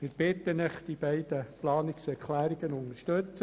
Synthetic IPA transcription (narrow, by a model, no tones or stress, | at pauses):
mɪːɾb̥ɪt̪ːənɪχd̥ib̥ɛɪd̥̪əplɑːnɪksɛɾkʰlæːɾiɡənʊnəʃtøt͡sə